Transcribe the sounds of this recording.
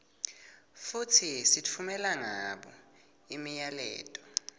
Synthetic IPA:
futʰisitʰumɛlaŋaɓɔ̰ | imijalɛ̰ːtʼɔ

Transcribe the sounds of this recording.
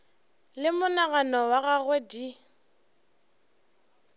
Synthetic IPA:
lɪmʊnaɣanɔwaɣaɣwɛdi

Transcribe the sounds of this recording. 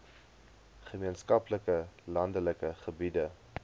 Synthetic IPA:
χəmiənskɐpləkəlɐndələkəχəbidə

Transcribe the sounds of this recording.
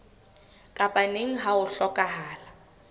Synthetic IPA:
kʼaɓaneŋ̩ɦawʊɬɔkʼaɦaːla

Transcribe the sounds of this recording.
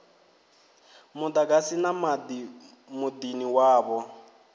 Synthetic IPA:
mud̪aɡasinamadi | mud̪iniwaːβɔ

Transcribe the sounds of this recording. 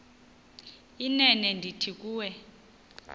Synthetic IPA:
inɛnɛndʱitʰik̬ʼuːwɛ

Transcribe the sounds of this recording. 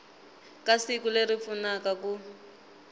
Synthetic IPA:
kasikulerifunakaku

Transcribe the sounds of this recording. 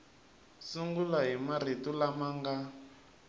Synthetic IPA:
suŋɡulaɦimaɾ̤itulamaŋɡa

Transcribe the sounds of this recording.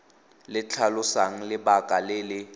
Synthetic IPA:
lɪt͡ɬʰalʊsaŋ̩lɪbakʼalɪlɪ

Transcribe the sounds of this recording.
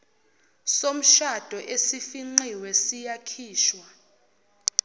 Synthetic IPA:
som̩ʃad̥ʱɔʔesifiŋ͡ǀiwɛsijakʰiːʃwa

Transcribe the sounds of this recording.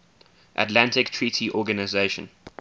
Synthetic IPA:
ʔa̰tlãntɪktʰɹiːˑtʰiʔɔːɡənaɪzeʃə̰̃n

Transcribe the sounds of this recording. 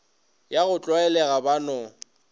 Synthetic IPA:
jaɣʊt͡ɬʼɔɛlɛɣabanɔ

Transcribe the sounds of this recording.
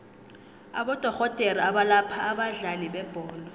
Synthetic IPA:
a̰ɓɔd̥ʱɔɣɔd̥ʱeɾiaɓalapʰaːɓaɮaliɓɛb̥ʱɔːlɔ

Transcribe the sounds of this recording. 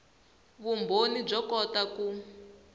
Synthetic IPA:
βumbʱonib͡ʐɔkɔtaku

